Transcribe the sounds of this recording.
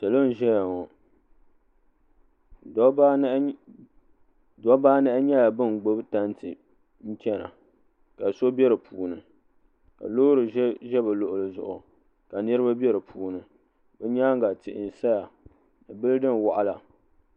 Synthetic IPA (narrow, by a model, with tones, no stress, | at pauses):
ta˨lo˦n˨ʒɛ˦ja˨ŋɔ˨ | d | dɔ˦baː˦nɛ˦ʔɪ˦ɲɛ˦la˨bɨ˦˨n˨ɡ͡bo˦bta˦n˦tɨ˨ | n̩˦t͡ʃɛ˦na̰˨ | ka˨so˦bʲɛ˦ɾɨ˨pʰuː˨nɨ˨ | ka̰˨lo˦ɾɨ˨˦ʒɛ˦ba˨lo˦ʔʊ˨lɨ˨zʊ̰˨ʔʊ˨ | ka˨nɨ˦ɾɨ˦ba˦bɛ˦ɾɨ˨pʰuː˨nɨ˨ | bɛ˦ɲaː˦ŋ˦ɡa˨tɪ˨ʔɪ˨n˨sa˦ja˨ | nɨ˨bɨ˦lɨ˦dɨ˦n˨wa˨ʔa˦la˨